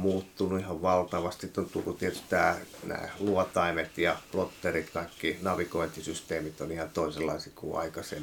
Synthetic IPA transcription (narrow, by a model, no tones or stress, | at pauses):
muːt̪ːunuihɑʋʋɑlt̪ɑʋɑst̪sit̪ːont̪ukut̪iet̪y̥st̪æːnæ̰ːluɔt̪ɑimet̪jɑplot̪ːerit̪kɑikːinɑʋikoint̪isyst̪eːmit̪onihɑnt̪oˑiselːɑ̰isikṵɑ̰ikɑsem